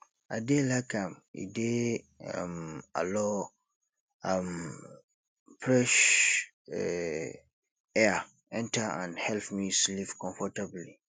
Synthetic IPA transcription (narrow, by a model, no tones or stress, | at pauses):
adelakʰãmḭde | a̰ma̰lɔ | am | pʰɹɛʃ | ɛ | ɛa | ɛ̃ntʰaã̰nhɛlpmĩslipkʰɔ̃ɱfɔtʰabli